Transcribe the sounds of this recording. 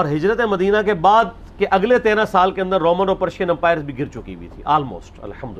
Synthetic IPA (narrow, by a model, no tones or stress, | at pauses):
ɔːɾɦɪd͡ʒɾət̪ẽmɐd̪iːnakebaːd̪̚ | keʔɐɡlet̪eːɾãsaːlkeə̃nd̪əɾːoːmə̃ɳnoːpəɾʃiənɛ̃mpaːɪɾsbʱiɡɪɾt͡ʃʊkḭʋʊḭt̪ʰḭʔɔːlmo̰ːsʈɐ̰lhəmd̪ʊ